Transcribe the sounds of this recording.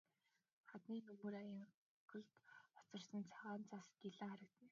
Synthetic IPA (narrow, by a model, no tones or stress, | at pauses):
χat̪niːnɵmɵːɾajə̆ŋ | kɵ̆ɮt̪ɔ̥t͡sɞ̆rsə̆nt͡sʰaʁaːnt͡saskiɮăŋχæɾə̆kt̪ʰɘ̆n